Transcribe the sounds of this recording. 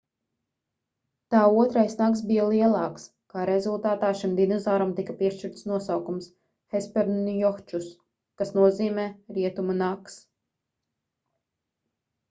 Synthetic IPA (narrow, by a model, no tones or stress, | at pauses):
t̪aːuɔt̪ɾajsnaks̬bijalˠiɛlˠɑːks | kaːɾezulˠt̪aːt̪aːʃimd̪inɔzaːɾamt̪ikɐpiɛʃt͡ʃiɾt̪snuɔsawkums | hɛspɛɾnnjɔxt͡ʃus | kasnuɔziːmɛːɾiɛt̪umanaks